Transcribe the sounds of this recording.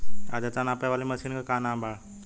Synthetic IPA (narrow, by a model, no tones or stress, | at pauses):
a̰d͡ʑat͡sanapaʋaliməsiːnkakaːnãːmbʱaɭ